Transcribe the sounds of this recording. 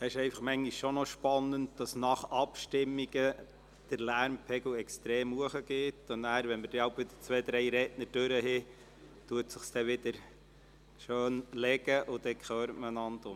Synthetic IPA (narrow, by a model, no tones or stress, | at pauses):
ɛɪʃɛɪfɑχmɛŋːiʃʃonɔʃpɑnːənt̚d̥ɑsnɑχɑpʃtɪmːiɡ̥ə | d̥əɾlæɾmpʰɛɡlʊɛkst̪ɾeːmhuəχəɡ̥ɪtʊnæːɾʋɛnməd̥ɛɑʊpʋɪd̪ə̥t͡sʋɛːd̪ɾɛɪjɾɛtnəɾd̥øɾəɦɪ | tuətsɪχsd̥̪ɛʋɪd̥̪əɾ | ʃøːnlɛɡəʔʊd̥̪ɛkχøːɾətməənɑnd̪ʊm